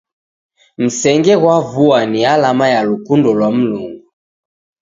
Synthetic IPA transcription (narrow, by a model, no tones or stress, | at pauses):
m̩sɛŋɡɛɣwavuanialamajalukundɔlwam̩luŋɡu